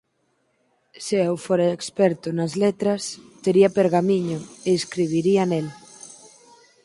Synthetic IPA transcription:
seɛwfoɾaekspɛɾt̪ʊnɐzlet̪ɾɐst̪eɾiɐpeɾɣamiɲoeːskɾiβ̞iɾiɐnel

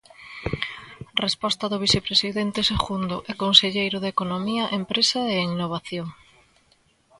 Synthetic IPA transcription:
respɔst̪ɐðʊβiθepɾesiðent̪eseɣund̪oʔekonseʎejɾʊðekonomiɐʔempɾesaeinoβ̞aθjoŋ

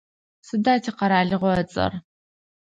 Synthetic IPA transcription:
sɨdaːtʰiːqɐɾaːɮɨʁʷɔɐt͡sʼɐ̰r

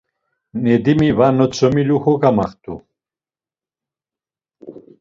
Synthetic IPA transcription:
nɛd̪imivanɔt͡sʰɔmiluxɔɡamaχt̪ʼu

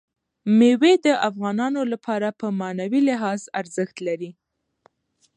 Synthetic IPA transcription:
mewed̪əʔafɣɑnɑnolapʰɑɾapəmɑnawilɪɦɑzaɾzəxt̪laɾi

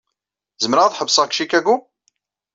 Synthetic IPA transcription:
zəmɾəʁðħəbsˤəʁkʃikæɡu

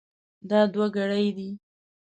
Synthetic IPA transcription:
d̪ɑd̪waɡaɽəjd̪i

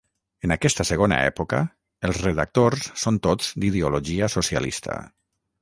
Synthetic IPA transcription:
ənakɛst̪əsəɣ̞ona̰ɛ̰pukə̰ | əlˠzreðak̚t̪orssont̪od͡z̥d̪iðeuloʒiəsosia̰lḭst̪ə̰

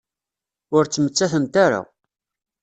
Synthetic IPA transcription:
ʊɾt͡sːmət͡sːæθənt̪aɾa̰

